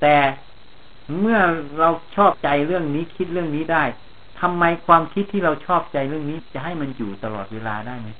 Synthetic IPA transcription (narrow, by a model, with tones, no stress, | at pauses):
t̪ɛː˨˩ | mɯ˥˩ɐɾa˧wt͡ɕʰɔː˥˩p̚t͡ɕa˧jɾɯ˥˩əŋniː˦˥kʰi˦˥t̪̚ɾɯ˥˩əŋniː˦˥daː˥˩j | t̪ʰa˧mːa˧jkʰwaː˧mkʰi˦˥t̪ʰːiː˥˩ɾa˧wt͡ɕʰɔː˥˩p̚t͡ɕa˧jɾɯ˥˩əŋniː˦˥t͡ɕa˨˩ɦa˥˩jma˧njuː˨˩t̪a˧lɔː˨˩t̪̚weː˧laː˧daː˥˩jma˦˥j